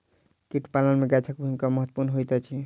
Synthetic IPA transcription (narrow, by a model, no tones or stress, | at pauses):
kiʈʰpalənmeɡat͡ʃʰakbʱuimkɔməɦət̪ːpuɾnɦojt̪at͡ʃʰi